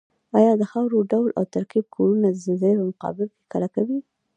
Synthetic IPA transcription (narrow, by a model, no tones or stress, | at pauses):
ɑjɑd̪əxawɾoɖawlʔa̰wt̪aɾqib̚kʰoɾunad̪əzəzapəmʊqɑ̰bɪlke̥kalakawi